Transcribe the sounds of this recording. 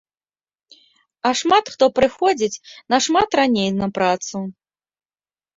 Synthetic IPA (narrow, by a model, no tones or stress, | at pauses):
ɐʂmat̪xt̪ɔpɾɨxɔd͡zʲit͡sʲnɐʂmat̪ɾanʲejnɐpɾat̪su